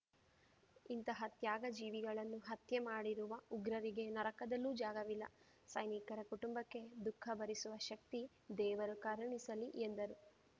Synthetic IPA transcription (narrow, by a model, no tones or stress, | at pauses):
int̪ɐɦɐt̪jaːɡɐd͡ʒiːʋiɡɐɭɐnːuɦɐt̪jemaːɽiɾuʋɐuɡɾɐɾiɡe̞nɐɾɐkɐd̪ɐlːuːd͡ʒaːɡɐʋilːɐ̰ | sɐjnikɐɾɐkuʈumbɐkːe̞d̪ukʰːɐbɐɾisuʋɐʃɐk̚t̪i | d̪ɛːʋɐɾukɐɾɐɳisɐliʔend̪ɐɾu